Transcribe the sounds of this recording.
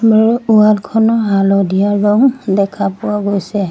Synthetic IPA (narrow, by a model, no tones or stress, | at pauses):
mualkʰɔnɔɦalɔdijaɹɔŋdɛkʰapʊwaɡojsɛ